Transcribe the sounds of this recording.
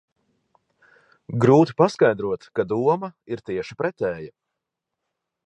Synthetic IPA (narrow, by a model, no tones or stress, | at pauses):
ɡɾuːt̪i̥paskajd̪ɾuɔt̪kad̪uɔmɐiɾt̪iɛʃi̥pɾɛt̪ɛːja